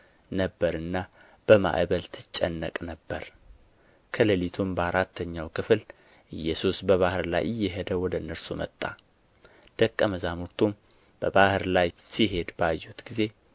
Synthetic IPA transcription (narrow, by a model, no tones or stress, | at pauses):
nəbːəɾɨnːa | b̥əma̰ʔβəlt̪ʰɨt͡ʃʼːə̰nːəkʼnəbːəɾ | kʰələlit̪ʰumbəaɾat̪ʰːəɲːawkʰɨfl | ʔɨjːɛsusbəβahɨɾla̰jʔɨjːɛɦəd̪əwɔd̪əɨnːəɾsumə̰t̪ʼːa̰ | d̪̥əkʼːəməzanuɾt̪ʰum | b̥əbahɨɾlajsiɦe̞d̪bajːut̪ɡize̞